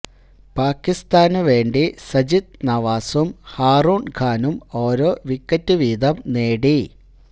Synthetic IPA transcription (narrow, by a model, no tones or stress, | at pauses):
paːkːist̪aːnuʋe̞ːɳɖisɐd͡ʑit̪̚nɐʋaːsumhaːruːɳɡʱaːnumo̞ːɾoːʋikːɐtːuʋiːd̪ɐmneːɽi